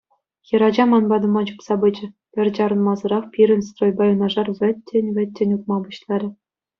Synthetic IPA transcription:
jɤ̆ɾɑd͡ʑɑmɑnbɑd̪ɤ̆mɑt͡ɕupsɑbɯd͡ʑɘ̆ | pʲɘ̆rʲd͡ʑɑɾɤ̆nmɑzɤ̆ɾɑχpʲiɾʲɘ̆nʲst̪rojbɑjɤnɑʐɑrʋʲɘ̆tʲːĕnʲvʲɘ̆t̪̚ʲːĕnʲut̪̚mɑbuɕlˠɑɾʲɘ̆

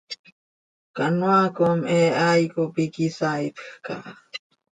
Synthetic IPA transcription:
kanwakomeajkopikisajt̪xka̰

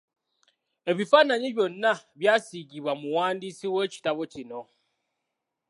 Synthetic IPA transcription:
e̞βifanaɲiβjo̞nːaβjaːsiɟiβwamuwaːndisiwe̞ːci̥taβo̞cino̞

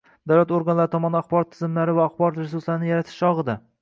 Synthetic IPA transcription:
d̪̥awlat̪oɾɡanlaɾɪt̪ʰɒmɒnɪaχbɒɾɒt̪ʰːɪzɪmlaɾɪvaːχbɒɾɒt̪ɾes̬ʊɾslaɾɪnɪjaɾat̪ʰɪ̥ʃɒʁɨd̪a

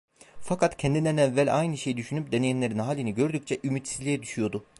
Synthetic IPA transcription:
fakʰat̪cʰɛnd̪inænɛvːælʲʔa̰jnɯʃejd̪yʃynyp̚d̪enejænlʲe̞ɾinɦaːlʲiniɟø̞ɾd̪yc̚t͡ʃʰɛʔymyt̪sizlʲijɛd̪yʃyjo̞d̪ʊ

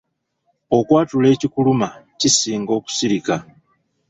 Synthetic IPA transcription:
o̞kwaːtule̞ːcikulumacisiːŋɡo̞ːku̥siɾika

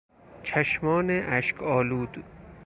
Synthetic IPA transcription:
t͡ʃʰæʃmɒːneʔæʃkʰɒːluːd̪

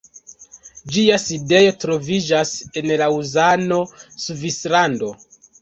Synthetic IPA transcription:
d͡ʒiaside̞jo̞tɾo̞vid͡ʒase̞nlauzano̞suvislando̞

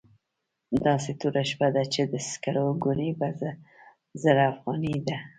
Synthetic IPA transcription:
d̪ɑset̪uɾaʃpad̪at͡ʃed̪əskaɾoɡunebaz | zəɾafɣɑnid̪a

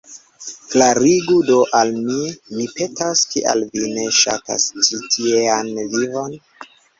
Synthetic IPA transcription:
klaɾiɡudoʔalmimipe̞taskʰḭʔa̰lvine̞ʃa̰ta̰st͡ʃitʰieanvivo̞n

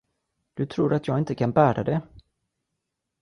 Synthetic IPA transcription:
d̪̥ɵt̪ʰɾuːɾat̪jɑːɡɪnt̪əkʰanbæːɾad̪ɛ

